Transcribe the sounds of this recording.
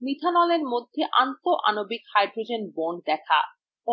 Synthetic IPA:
mit̪ʰanɔleɾmod̪ʱːeʔant̪oʔa̰nobikhajɖɾod͡ʑenbonɖd̪ɛkʰa̰ | o

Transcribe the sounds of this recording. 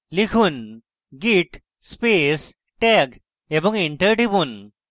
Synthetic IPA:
likʰuːn | ɡiʈ | spes | ʈɛɡ | ebə̃ŋɡiɳʈəɾʈibuːn

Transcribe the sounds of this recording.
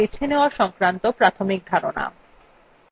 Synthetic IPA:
it͡ɕʰeneoaʃɔŋkɾant̪opɾat̪ʰomik̚d̪ʱaɾona̰

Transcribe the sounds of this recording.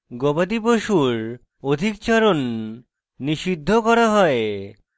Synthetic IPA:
ɡobad̪iboʃuɾ | od̪ʱikt͡ɕaɾonː | iʃid̪ʱːokɔɾaɦɔe

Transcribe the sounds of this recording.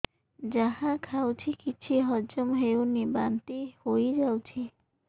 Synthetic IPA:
d͡ʒaɦãkʰawt͡ʃʰikit͡ʃʰiɦɔd͡ʒɔmɦewnibant̪ihojd͡ʒawt͡ʃʰi

